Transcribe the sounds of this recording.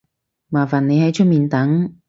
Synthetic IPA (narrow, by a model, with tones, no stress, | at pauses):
maː˨˩faː˨nːe˨˧jhɐ˨˥jt͡ʃʰɵ˥miː˨nt̪ɐ˨˥ŋ